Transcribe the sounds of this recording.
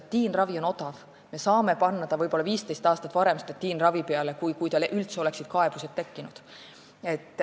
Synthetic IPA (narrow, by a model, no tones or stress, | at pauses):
t̪ːiːnrɑvio̞no̞t̪ɑv | me̞sɑːme̞pɑnːɑt̪ɑvɤjpo̞lːɑviːst̪e̞jst̪ɑːst̪ɑt̪ːˑvɑɾe̞mst̪ɑt̪ːiːnrɑvipeɑle̞kujkujt̪ɑlʔylt̪seo̞le̞ksid̪̥̚kɑe̞b̥uset̪ːe̞kːinud̪̥ | e̞t̪ːˑ